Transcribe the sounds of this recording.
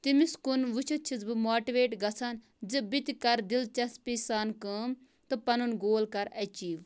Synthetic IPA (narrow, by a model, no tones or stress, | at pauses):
t̪imiskunʋut͡ʃʰut͡ʃʰizbɨmoːʈiʋeːʈɡɐsʰaːn | d͡ʒɨbit̪ʲikɐɾd̪ilt͡ʃɐspisaːnkəːm | t̪ɨpɐnunɡoːlkɐɾɐt͡ʃiːʋ